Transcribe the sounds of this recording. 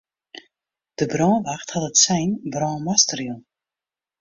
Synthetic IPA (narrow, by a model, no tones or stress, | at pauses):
d̥əbrɔːnʋaxthatətsɛjnbrɔːnmastərjunˠ